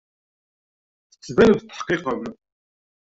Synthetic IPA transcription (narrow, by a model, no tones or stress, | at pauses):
θə̥t͡sːðænəðt̪ːə̥ħqiqəm